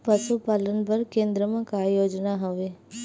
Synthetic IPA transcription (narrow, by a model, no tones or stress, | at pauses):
pəʃupaːlənpəɾkẽːnd̪ɾəmãkajoːd͡ʒnaɦoʋeː